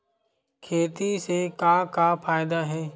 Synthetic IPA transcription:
kʰeːt̪isekaːkapʰaːjd̪aɦɛː

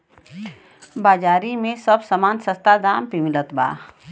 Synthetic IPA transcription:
baːd͡ʒaːɾimẽsəbsamaːnsəst̪ad̪aːmpimɪlət̪ba̰ː

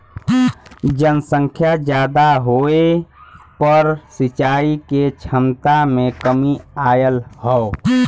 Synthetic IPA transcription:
d͡ʒənsə̃ŋkʰjad͡ʒjaːd̪aɦoːepəɾsɪt͡ʃaːiket͡ʃʰəmt̪amẽkəmiaːjəlhɛo

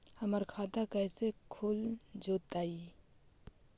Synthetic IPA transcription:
hɐməɾkʰaːd̪akɛːsekʰʊld͡ʒoːt̪aːi

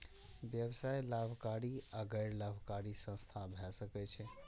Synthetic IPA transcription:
bjəbsajlabʱkaɾiaɡəɪɾlabʱkaɾisə̃st̪ʰabʱɛsəkɛt͡ʃʰɛ

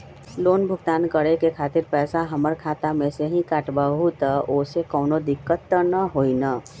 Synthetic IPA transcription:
loːnbʱʊɡt̪aːnkəɽekekʰaːt̪ɪɾpɛːsaɦəməɾkʰaːt̪amẽseɦĩkaːʈbaːɦut̪aʔoːsekɔːnod̪ɪkːət̪ːənəɦoːinaː

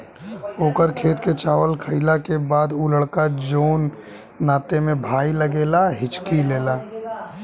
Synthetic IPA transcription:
oːkəɾkʰeːt̪ket͡ʃaːwəlkʰəɪlakebaːd̪uləɽkad͡ʒoːnː | aːt̪emẽbʱaːiləɡeːlaɦɪt͡ʃkileːlaː

